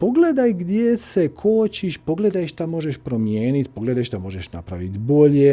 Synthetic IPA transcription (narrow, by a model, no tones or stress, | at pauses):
po̞ɡled̪ajɡd̪jessekʰoːt͡ɕiʃpo̞ɡle̞d̪ajʃt̪amo̞ʒeʃpɾomjeːnit̪ʲpoɡle̞d̪ajʃt̪amo̞ʒeʃna̰pɾa̰ʋḭt̪bo̞ʎe